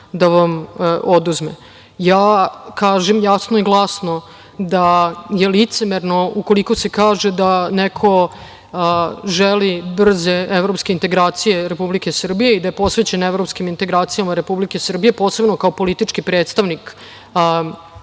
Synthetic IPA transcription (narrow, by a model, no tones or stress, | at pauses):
d̪aʋamod̪uzmḛ | jaːkaːʒemjasnoiɡlˠasno̞ | d̪ajelit̪semeɾno̞uko̞liko̞se̞kaːʒed̪anekʰo̞ | ʒelibr̩zeevɾo̞pskeint̪e̞ɡɾaːt̪sije̞ɾe̞publike̞sr̩bijeid̪ajepo̞sʋet͡ɕe̞nevɾopskimint̪e̞ɡɾaːt̪sijamaɾe̞publike̞sr̩bijepo̞ːse̞bno̞kao̞po̞lit̪it͡ʂkipɾe̞ːt̪st̪aʋnik